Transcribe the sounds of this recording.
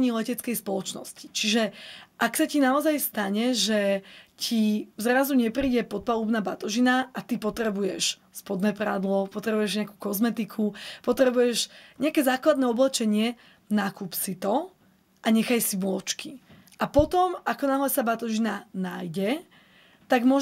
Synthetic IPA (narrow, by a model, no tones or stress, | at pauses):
ɲiːlɛcɛt͡skɛjspɔlɔt͡ʃnɔ̰sci̥t͡ʃiʒɛʔaksacinaɔzajst̪aɲɛʒɛcʰizɾazuɲɛpɾiːɟɛpɔt̪̚palubnaːbat̪ɔʒinaʔat̪ipɔt̪ɾɛbujɛʃ | spɔd̪nɛːpɾa̰ːd̪lɔpɔt̪ɾɛbujɛʒɲɛaku̥kɔzmɛt̪ikʰupɔt̪ɾɛbujɛʃɲɛakɛːzaːklad̪nɛɔblɛt͡ʃɛɲɪɛ | nakupsit̪ɔ | ʔaɲɛxajsiʋlɔt͡ʃkʰi | ʔapɔt̪ɔmakɔnaɦlɛsabat̪ɔʒinanajɟɛ | t̪aɡmʊɔ